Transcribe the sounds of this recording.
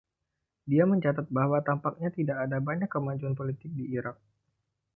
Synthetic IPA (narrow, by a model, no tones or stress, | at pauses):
diaməɲt͡ʃat̪at̪̚baɦwat̪ampak̚ɲat̪idakːdabaɲakːəmad͡ʒuanpolit̪ɪk̚diːɾak̚